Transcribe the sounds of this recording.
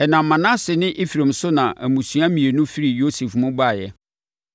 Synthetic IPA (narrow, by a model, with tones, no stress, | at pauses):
ɛ˨nã˨mːã˨nã˦sɪ˨nɪ̃˦ʔi˦fi˨ɾã˨m̩˨sʊ˦nã˨ʔæ˨mũ˨su˨˦ã˦mĩ˨e˨nʊ̃˦fi˦ɾi˨jo˦se˨fmʊ̃˦ba˦˨jɛ˨